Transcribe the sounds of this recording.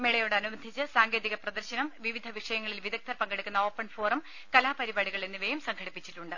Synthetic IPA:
meɭɐjoːɽɐnubɐnd̪ʱit͡ɕːɨsaːŋɡe̞ːðiɣɐprɐd̪ɐrɕɐnɐmʋiʋid̪ʱɐʋikʂɐjɐŋːɐɭilʋiðɐk̚t̪ʰɐrpɐŋɡeɽikʲːunːɐo̞ːpːɐɳfo̞ːrɐm | kɐlaːpɐɾibaːɽiɣɐɭenːiʋejumsɐŋkʰɐɽipːit͡ɕːiʈːuɳɖɨ

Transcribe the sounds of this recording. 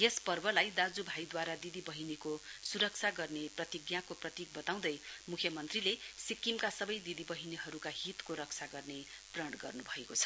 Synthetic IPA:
jespʌrbʌlajd̪ad͡zubʱajd̪waɾad̪id̪ibʌɦinikosuɾʌk̚t͡sʰaɡʌrneprʌt̪iɡjakoprʌt̪ik̚bʌt̪aw̃d̪ʌjmukʰjʌmʌnt̪rilesikimkasʌbʌjd̪id̪ibʌɦiniɦʌɾukaɦit̪koɾʌk̚t͡sʰaɡʌrne | b̥rʌɳɖɡʌ̰rnubʱʌekot͡sʰʌ̥

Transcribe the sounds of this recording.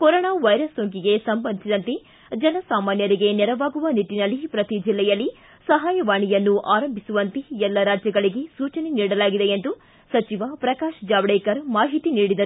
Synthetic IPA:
koɾoːɳaːʋɐjɾɐsːoːŋk̬iɡe̞sɐmbɐnd̪isid̪ɐnt̪e | d͡ʒɐnɐsaːmaːnjɐɾiɡe̞nɛɾɐʋaːɡuʋɐniʈːinɐlːipɾɐt̪id͡ʒilːɛjɐlːi | sɐɦaːjɐʋaːɳijɐnːuʔaːɾɐmbʱisuʋɐnt̪eɛlːɐɾaːd͡ʒjɐɡɐɭiɡesuːt͡ʃɐneniːɽɐlaːɡid̪e̞end̪u | sɐt͡ʃiʋɐpɾɐkaːʃd͡ʒaːʋɽejkɐɾmaːɦit̪iniːɽid̪ɐ

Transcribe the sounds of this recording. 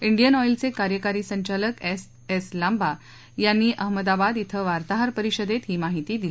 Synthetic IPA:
iɳɖijənɔjlt͡sekaɾjəkaɾiːsəɲt͡ɕaləkes | eslamba | janːiːʔəɦməd̪abad̪it̪ʰəʋaɾt̪aɦəɾpəɾiɕəd̪et̪ɦiːmaɦit̪iːd̪il

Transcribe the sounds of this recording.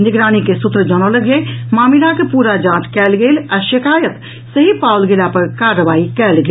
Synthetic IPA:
nɪɡɾaːñikesut̪ɾəd͡ʒəñoləɡemaːmilakepuːɾad͡ʒãːt͡ʃkɛːlɡeːlaʃɪkaːjət̪ | səɦipawlɡelapəɾkaɾəʋaːikɛːlɡe

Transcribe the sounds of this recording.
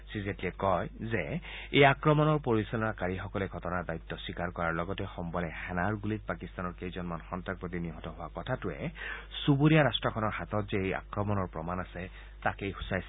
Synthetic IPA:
sizetliɛkɔjzɛejakɹɔmɔnɔɹpoɹisɔlɔnakaɹixɔkɔlɛɡʱɔtɔnadajtːɔsikaɹkɔɹaɹlɔɡɔtɛxɔmbɔlɛxɛnaɹɡulit̚pakist̪anɔɹkejzɔnmanxɔntak̚pot̬iniɦɔtɔɦʊwakɔtʰatʊɛ̰subuɹijaɹastɹɔkʰɔnɔɹhatɔtzɛeja̰kɹɔmɔnɔɹpɹɔmanasɛ | takejxusajsɛ

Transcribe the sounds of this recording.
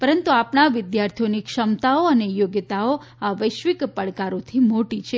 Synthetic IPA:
pəɾənt̪uapnaʋɪd̪jaɾt̪ʰijonikʃəmt̪aoənejoɡjət̪ao | aʋəjʃʋikpəɭkaɾot̪ʰimoʈit͡ʃʰe

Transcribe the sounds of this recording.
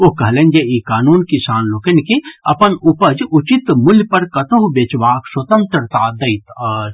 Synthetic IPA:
oɦkɐɦlẽːnd͡ʒeiːkaːnuːnkisaːnloːkɐnkeɐpənupəd͡ʒʊt͡ʃit̪mʊljpɐɾkɐt̪oɦbeːt͡ʃʋaːkswɐt̪ə̃nt̪ɾt̪aːd̪ɐit̪əːɾ

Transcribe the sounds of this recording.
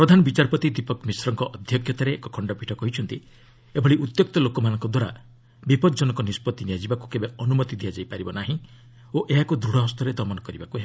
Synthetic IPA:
pɾɔd̪ʱanɔbit͡ʃaɾpɔt̪id̪ipɔkmisɾɔŋkɔʔɔd̪ʱjɔkʰjɔt̪aɾeḛkɔkʰɔɳɖɔpiʈʰɔkɔɦit͡ʃʰɔnt̪i | ebʱɔɽiʔut̪jɔk̚t̪ɔlokɔmanɔŋkɔd̪waɾa | bipɔd̪d͡ʒɔnɔkɔnispɔt̪ːiniad͡ʒibakukebeɔnumɔt̪id̪ijad͡ʒajpaɾibɔnaɦĩ | oʔeɦakud̪ɾuɽɔɦɔst̪ɔɾed̪ɔmɔnɔkɔɾibakuɦe

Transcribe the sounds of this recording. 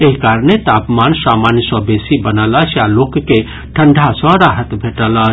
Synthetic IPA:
eɦikaɾnet̪apmansamanjəsə̃besibənələt͡ʃjalokːe | ʈʰəɳɖʱasɔ̃ɾaɦət̪bʱeʈələt͡ʃ

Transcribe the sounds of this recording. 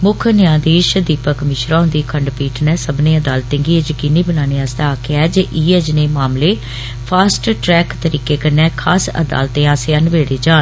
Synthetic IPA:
mʊkʰnɪjãːd̪eːʃd̪iːpəkmɪʃɾãːɦʊ̃nd̪iːkʰəɳɖpiːʈʰnɛ̃ːsəbnẽːəd̪aːlt̪ẽːŋɡiːəd͡ʒkɪniːbənaːneːaːst̪aaːkeɛːd͡ʒəʔiːed͡ʒneːmaːmleː | pʰaːsʈʈɾɛːkt̪əɾiːkeːkənɛ̃ːkʰaːsə̰d̪a̰ːlt̪ẽːaːseənʋeːɽeːd͡ʒaːn

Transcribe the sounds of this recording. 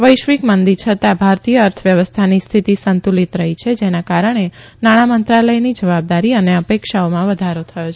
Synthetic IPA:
ʋəjʃʋikmənd̪it͡ʃʰət̪abʱaɾt̪ijəːɾt̪ʰəʋjəʋəst̪ʰanist̪ʰit̪isənt̪ulit̪ɾəɦit͡ʃʰed͡ʒenakaɾəɳ̃e | naɽ̃amənt̪ɾaləjnid͡ʒəʋab̚d̪aɾiəneəpekʃaomãʋəd̪ʱaɾot̪ʰəjo

